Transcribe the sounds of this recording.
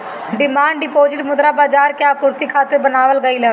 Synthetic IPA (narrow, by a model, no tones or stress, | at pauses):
ɖɪmaːɳɖɪpoːzɪʈmʊd̪ɾaːbaːd͡ʒaːɾkjaːpʊɾt̪iːkʰaːt̪ːəɾbənaːʋəlɡəiːlɛː